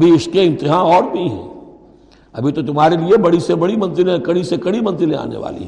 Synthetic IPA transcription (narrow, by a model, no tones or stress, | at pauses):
ɐbʱiɪskeɪ̃nt̪ɪɦaɔːɾbʱiɦɛ̰̃ː | ɐbʱit̪ot̪ʊmɦaːɾeliebɐɽisebɐɽimɐ̃nzɪlẽkɐɽisekɐɽimɐ̃nzɪlẽa̰ːnḛʋa̰ːlḭɦɛ